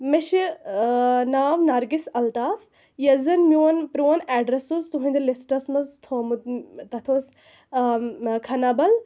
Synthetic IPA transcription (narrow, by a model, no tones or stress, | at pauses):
meʃi | naːʋnɐɾɡisɐlt̪aːf | jɐzɐnmʲjoːnpɾoːnɛːɖɾesuzt̪uɦɐ̃nd̪ɐlisʈɐsmɐzt̪ʰoːmut̪̚t̪ɐt̪ʰoːs | kʰɐnɐbɐl